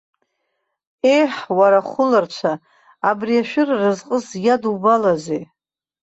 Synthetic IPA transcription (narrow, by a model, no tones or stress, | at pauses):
e̞jħwaɾaχʷʊlart͡ʃʷʰaː | briaʃᶣɪrːɨzqʼəzjadubalaze